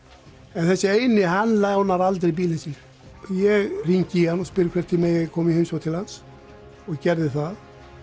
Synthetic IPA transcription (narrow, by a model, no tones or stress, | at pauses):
ɛnθɛsːɪejnɪɦanlawnaɾalt̪̬ɾɪbiːlɪnsɪn | jɛɣriɲcɪhanɔspʏɾɪkʰɛːɾ̥t̪ʰɪlmɛɣjɛkʰɔːmjɪhɪmsɔt̪ʰɪlhans | ɔcɛɾðɪθað